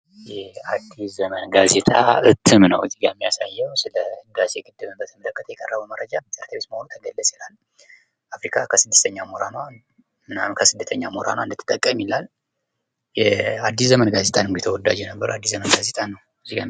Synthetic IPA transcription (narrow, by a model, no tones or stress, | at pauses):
jɛad̪ːiszəmənɡazet̪ʼa̰ɨt̪ʰːɨmnəwɨziɡajmːijasajːɛwsɨləɨd̪aseɡʼɨd̪ːɨmɨnbət̪ʰəmələkʼːət̪ʰəjɛkʼərːəβəwməɾəd͡ʒabɨt̪ʼəɾt̪ʰəβest̪məhonut̪ʰəɡəlːəsʼilal | ʔafɾikʰʼakʰəsɨd̪ːɨst̪ʰəɲːamoɾanwa | ɨnamkʰəsɨd̪ːət̪ʰəɲːamoɾa̰nwaɨnd̪ɨt̪ʰːɨ̥t̪ʼːəkʼːəmilal | jɛad̪ːiszəmənɡaze̞t̪ʼanɨmɡet̪ʰəwɔd̪a̰d͡ʒenəbːəɾad̪ːiszəmənɡaze̞t̪ʼanəw | ɨziɡa̰